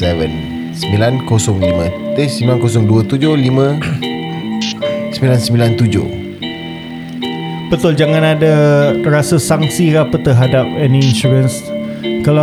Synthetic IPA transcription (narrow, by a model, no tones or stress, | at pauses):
sɛvən | səmilankosɔŋlimə̃t̪esmbilankosɔŋduət̪ud͡ʒohlimə̃ | səmbilansəmbilant̪ud͡ʒʊ̰h | b̥ət̪ʊld͡ʒaŋãnadaɾasəsaŋsikapət̪əɦadap̚ɛnĩinsuɾəns | kala